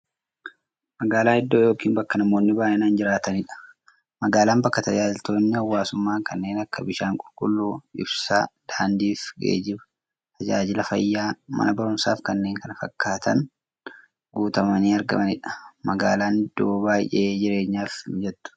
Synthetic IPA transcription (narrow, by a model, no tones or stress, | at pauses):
mɐɡaːlaːɪd̪ːo̞ːjo̞ːkiːnbɐkːɐnɐmo̞ːnːɪbaːjʔɛnaːnd͡ʒɪɾaːt̪ɐnɪᶑɐ̥ | mɐɡaːlaːnbɐkːɐt̪ɐd͡ʒaːd͡ʒɪlt̪o̞ːnːɪɐwːaːsʊmːaːŋkɐnːe̞ːnɐkːɐbɪʃaːŋkʼʊlkʼʊlːuːɪ̰bsaːd̪̥aːnd̪iːfɡḛːd͡ʒɪbɐ̥ | t̪ʰɐd͡ʒaːd͡ʒɪlɐfɐ̰jːaːmɐ̰nɐbɐɾʊmsa̰ːfkɐnːe̞ːŋkɐnɐfɐ̰kːaːt̪ʰɐ̰n | ɡuːt̪ɐmɐniːɐɾɡɐ̰mɐnɪᶑɐ̥mɐɡa̰ːlaːnɪd̪ːoːbaːjʔe̞ːd͡ʒɪɾe̞ːɲːaːfd͡ʒɛt̪ːʊ̥